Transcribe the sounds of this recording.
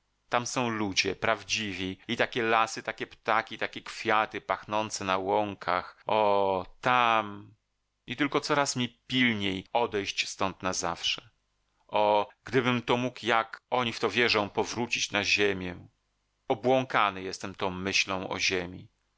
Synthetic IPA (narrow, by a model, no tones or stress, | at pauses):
t̪amsɔ̃w̃lud͡ʑɛpɾavd͡ʑivʲiit̪akʲɛlasɨt̪akʲɛpt̪akʲit̪akʲɛkfʲjat̪ɘpaxnɔnt̪sɛnawɔŋkʰaxɔt̪am | it̪ɘlkɔt̪sɔɾasmʲipʲilɲejɔd̪ɛjɕt͡ɕst̪ɔnt̪nazafʂɛ | ʔɔɡd̪ɘbɘmt̪ɔmukjakɔɲift̪ɔvʲjɛʐɔ̃w̃pɔvɾut͡ɕit͡ɕnaʑemʲjɛ | ɔbwɔŋkanɘjɛst̪ɛmt̪ɔ̃w̃mɘɕlɔ̃w̃ɔ̰ʑemʲḭ